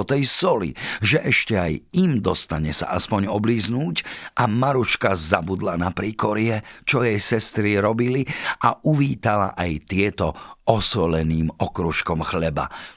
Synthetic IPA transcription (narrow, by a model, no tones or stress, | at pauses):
ɔt̪ɛjsɔlḭʒɛʔɛʃcɛajimd̪ɔst̪aɲɛsa̰ʔaspɔɲɔbliːznuːcʔamaɾuʃkazabud̪lanapɾiːkɔɾiɛt͡ʃɔjɛjsɛst̪ɾiɾɔbiliʔaʔuʋiːt̪ala̰ʔajt̪ɪɛt̪ɔɔsɔlɛniːmɔkɾuʃkɔmxlɛba̰